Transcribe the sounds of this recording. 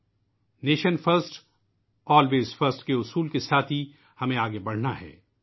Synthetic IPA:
neːʃənfəɾsʈ | ɔːlʋeːzfɐɾsʈkeʊsuːlkesaːt̪ʰi | hɐmẽaːɡebɐɽ̤naɦɛ̰ː

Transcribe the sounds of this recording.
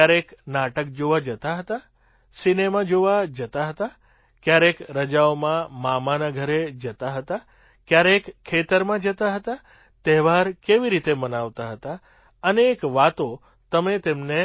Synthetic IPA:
jaɾeknaʈək̚d͡ʒoʋad͡ʒət̪aɦət̪a | sinemad͡ʒoʋad͡ʒət̪aɦət̪a | kjaɾekɾəd͡ʒaomãmamanaɡʱəɾed͡ʒət̪aɦət̪a | kjaɾekkʰːet̪əɾmãd͡ʒət̪aɦət̪a | t̪eɦʋaɾkeʋiɾit̪emənaʋt̪aɦət̪a | əneːkʋat̪o | t̪əmet̪emne

